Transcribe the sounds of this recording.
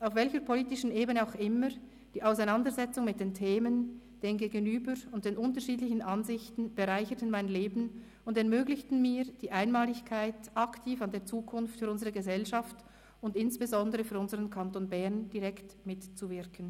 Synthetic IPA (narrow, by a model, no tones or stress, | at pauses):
ʔaʊfv̥ɛlçəpʰoliːtɪʃn̩ʔeːbənəaʊxɪmə | d̥iːʔaʊsaɪnandəzɛt͡sʊŋmɪt̚d̥eːntʰeːmən | d̥eːmɡeːɡənyːbəʁʊntd̥eːnʔʊntəʁʃiːdlɪçən̩ʔanzɪçtn̩b̥əʁaɪçətən̩maɪnleːbn̩ | ʊndɛɐmøːɡlɪçtn̩miːd̥iːʔaɪnmaːlɪçkʰaɪtʔɑktʰiːfandeːɐt͡suːkʰʊnftfyːɾʔʊnzəʁəɡəzɛlʃaft | ʊndɪnsb̥ezɔndəʁəfyːɐʊnzəʁənkʰantoːnbɛʁnd̥iʁɛktmɪtt͡suvɪɐkʰən̩